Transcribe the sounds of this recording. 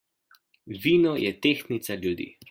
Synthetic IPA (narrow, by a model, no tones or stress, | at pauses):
ʋiːnɔjʔɛt̪eːxnit̪saljud̪ḭː